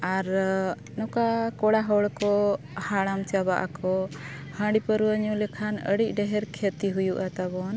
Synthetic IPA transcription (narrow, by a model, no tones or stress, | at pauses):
aɾ | nɔkakɔɽaɦɔɭkɔ | haɽamt͡ʃabaʔa̰kɔ | hə̃ɽipəɾuəɲulɛkʰanəɽic̚ˀɖɛɦɛɾkʰet̪iɦujuʔat̪abɔn